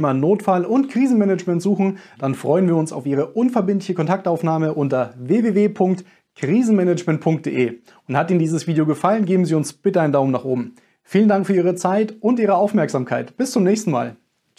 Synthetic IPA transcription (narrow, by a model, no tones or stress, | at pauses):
manoːtfalʔʊntkʁ̥iːzn̩mɛnɛt͡ʃmɛntz̥uːxn̩d̥anfʁ̥ɔʏənviːɐʊnsa̰ʊfʔiːʁ̞əʔʊnfɛɐbɪntlɪçəkʰɔntʰak̚taʊfnaːməʔʊntɐveːveːveːpʰʊŋkt | kʁ̥iːzn̩mɛnɛt͡ʃmɛntpʰʊŋkt̚d̥ḛːʔeː | ʊnthatiːnəndiːzəsv̥iːdeoːɡəfalənɡeːbm̩ziːʊnsb̥ɪtəaɪndaʊmnaχʔoːbm̩ | fiːləndaŋkfyːɐiːʁ̞ət͡saɪtʊntʔiːʁ̞əaʊfmɛɐkz̥aːmkʰaɪtb̥ɪst͡sʊmnɛːçstn̩ma̰ːl